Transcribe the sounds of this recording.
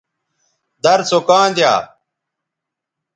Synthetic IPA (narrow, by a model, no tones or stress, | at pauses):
d̪ɐɾsokãːnd̪ja̰ː